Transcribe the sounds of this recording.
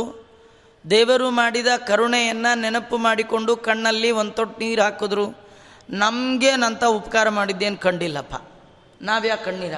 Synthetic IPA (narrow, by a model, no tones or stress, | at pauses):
d̪ɛːʋɐɾumaːɽid̪ɐkɐɾuɳɛjɐnːɐnɛnɐpːumaːɽiko̞ɳɖukɐɳːɐlːiond̪t̪oʈniːɾɦaːkod̪ɾu | nɐmɡenɐnt̪ɐupɐkaːɾɐmaːɽid̪ːeːnkɐɳɖilːɐpʰːa̰ | naːʋjaːkɐɳːiːɾ